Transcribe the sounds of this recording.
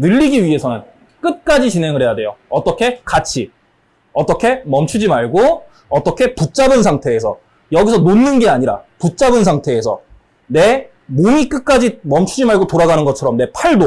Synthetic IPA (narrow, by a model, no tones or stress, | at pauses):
nɯʎːiɡiɥiɦe̞sʰʌnɯn | k͈ɯt̚k͈ad͡ʑit͡ɕinɦe̞ŋɯɭhe̞jadwe̞joʌt͈ʌkʰe̞kat͡ɕʰi | ʌt͈ʌkʰe̞mʌmt͡ɕʰud͡ʑimaɭɡo | ʌt͈ʌkʰe̞put̚t͡ɕ͈abɯnsʰaŋtʰe̞ːsʰʌ̰ | jʌɡisʰʌnonːɯnɡe̞aɲiɾa̰put̚t͡ɕ͈abɯns̬ʰaŋtʰe̞ːsʰʌ̰ | ne̞ | momik͈ɯt̚k͈ad͡ʑimʌmt͡ɕʰud͡ʑimaɭɡotoɾaɡanɯnɡʌt͡ɕʰʌɾʌmne̞pʰaɭdo